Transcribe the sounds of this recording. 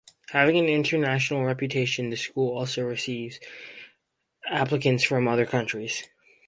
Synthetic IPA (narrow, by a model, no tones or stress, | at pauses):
hævɪ̃ŋɨ̃nɪ̃ntʰə˞næʃnl̩ˠɹɛpjɨtʰeɪʃɨ̃nðɨskulˠɔlˠsoʊɹɨsivz̥ | æplɨkɨ̃ntsfɹʌ̃mʌðə˞kʰʌ̃nt͡ʃɹ̥iz̥